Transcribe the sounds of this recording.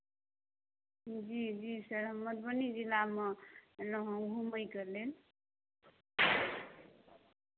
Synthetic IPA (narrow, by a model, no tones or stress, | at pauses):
d͡ʒid͡ʒisʌɾɦəməd̪̚bʌnid͡ʒilamʌlʌɦõɡʱuməjkʌɾlel